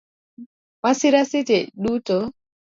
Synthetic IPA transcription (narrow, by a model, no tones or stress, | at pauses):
wasiɾasitɛɗutɔ